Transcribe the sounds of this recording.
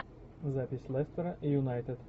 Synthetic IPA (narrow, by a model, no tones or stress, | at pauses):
zapʲɪsʲlˠɛst̪əɾɐʔijʊnajt̪ɨd̪